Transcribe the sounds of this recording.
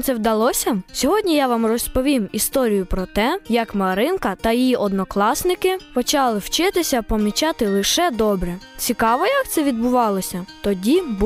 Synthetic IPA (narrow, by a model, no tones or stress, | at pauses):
t̪sɛwd̪ɐlˠɔsʲɐsʲɔɦɔdʲnʲijaʋamrɔspɔʋʲimist̪ɔɾʲijʊpɾɔt̪ɛjɐkmɐɾɪnkɐt̪ɐjjiʔɔd̪nɔklˠɑsnɪkɪpɔt͡ʃɑlˠɪwt͡ʃɪt̪ɪsʲɐpɔmʲit͡ʃɑt̪ɪlˠɪʃɛd̪ɔbɾɛt͡sʲikɑʋɔjɐkt̪sɛʋʲid̪̚bʊʋɑlˠɔsʲɐt̪ɔdʲib